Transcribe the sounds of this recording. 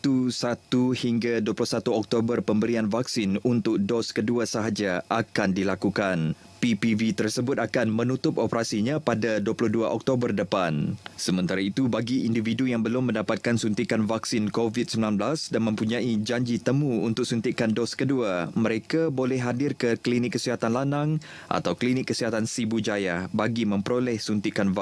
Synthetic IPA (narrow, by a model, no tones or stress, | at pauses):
t̪usat̪uhiŋɡaduwaplʊhsat̪uɔk̚t̪obərpəmbəɾianvaksinunt̪ʊk̚dɔskəduasəɦad͡ʒaakandilakukan | pipivit̪ərsəbʊt̪̚akanmə̃nut̪ʊpopəɾasiɲãpadaduaplɔhduaʔɔk̚t̪obərdəpansəmə̃nt̪aɾait̪ubaɡiindividujaŋbəlʊmːə̃ndapat̪̚kansunt̪ikanvaksinkovit̪̚səmilanblasdanmə̃mpuɲãid͡ʒaɲd͡ʒit̪əmũunt̪ʊk̚sunt̪iʔkandɔskəduamə̃ɾekabolɛhɦadɪrkəklinɪkːəsiɦat̪anlanaŋ | ʔa̰t̪awklinɪkːəsiɦat̪ansibud͡ʒajahbaɡimə̃mpəɾolɛhsunt̪ikanva